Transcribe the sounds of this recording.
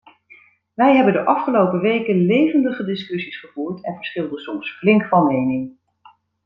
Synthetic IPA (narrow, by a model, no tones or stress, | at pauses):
ʋɛjɦɛbəndəʔɑfχəlowpəʋejkənlejvəndəχədɪskɵsisχəvuːɹtɛnvəɹsχɪlˠdəsɔmsflɪŋkfɑnmejnɪŋ